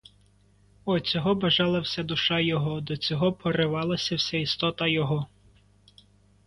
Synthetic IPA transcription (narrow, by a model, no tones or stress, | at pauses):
ɔt͡sʲɔɦɔbɐʒɑlˠɐwsʲad̪ʊʃɑjɔɦɔd̪ɔt͡sʲɔɦɔpʰɔɾɪʋɑlˠɐsʲɐwsʲɛist̪ɔt̪ɐjɔɦɔ